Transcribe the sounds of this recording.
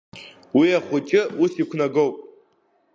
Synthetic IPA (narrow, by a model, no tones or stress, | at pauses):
wiaχʷʊt͡ʃʼɪusikʷʰnaɡo̞wpʼ